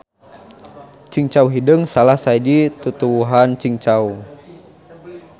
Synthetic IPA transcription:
t͡ʃiŋt͡ʃauɦidəŋsalahsaidit̪ut̪uwuɦant͡ʃiŋt͡ʃau

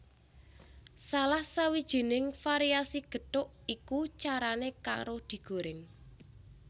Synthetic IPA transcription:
salahsawid̥ʒ̥i̤nɪŋfaɾiasiɡ̥ə̤ʈʊʔ | ikut͡ʃaɾaneka̰ɾod̪̥i̤ɡ̥o̤ɾɪŋ

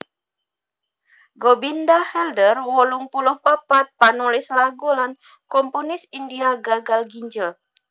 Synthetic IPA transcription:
ɡobindahɛldərwɔluŋpuluhpapat̪̚panulɪslaɡulan | kɔmpunɪsindiaɡaɡalɡiɲd͡ʒəl

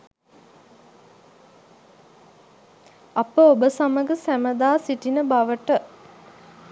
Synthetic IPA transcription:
apəobəsaməɡəsæməd̪aːsiʈinəbaʋəʈə

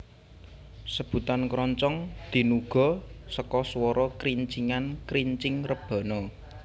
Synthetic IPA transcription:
səb̥ṳt̪ankɾɔɲt͡ʃɔŋd̪̥i̤nuɡ̥ɔ̤səkɔswɔɾɔkɾiɲt͡ʃiŋankɾiɲt͡ʃɪŋrəb̥ɔ̤nɔ

